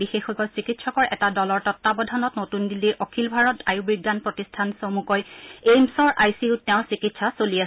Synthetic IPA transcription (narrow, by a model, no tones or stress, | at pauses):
bixexɔkɔsikitsɔkɔɹɛtadɔlɔɹtɔtːabɔdʱanɔtnotundilːiɹʔɔkʰilbʱaɹɔtʰajubɹiɡːanpɹotistʰansomukɔjemsɔɹʔajsiʊtɛʊ̃sikitsasolia